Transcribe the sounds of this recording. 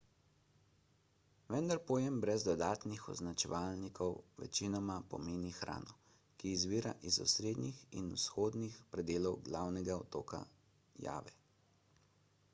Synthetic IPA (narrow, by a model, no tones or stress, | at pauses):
ʋɛnd̪aɾpojɛmbɾɛzd̪ɔd̪aːt̪nixɔ̰znat͡ʃɛʋaːlnikʰɔwʋɛ̰t͡ʃinɔmapɔ̰meːnixɾʔa̰ːnɔ | kizʋiːɾaʔizɔ̰sɾeːd̪nixḭnusxoːd̪nixpɾɛd̪eːlɔwɡlawnɛɡaɔt̪oːka̰ | ja̰ːʋɛ